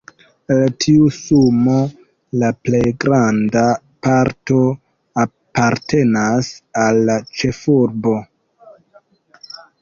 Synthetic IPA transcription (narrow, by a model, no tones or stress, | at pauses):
eltʰiusumo̞ | laple̞jɡɾanda | paɾto̞ | a | paɾte̞nasalːat͡ʃe̞fuɾbo̞